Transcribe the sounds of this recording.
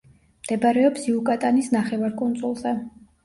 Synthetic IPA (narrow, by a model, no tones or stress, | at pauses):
md̪̥ɛbaɾɛɔpsiukʼat̪ʼanisnaχɛvaɾkʼunt̪sʼulˠzɛ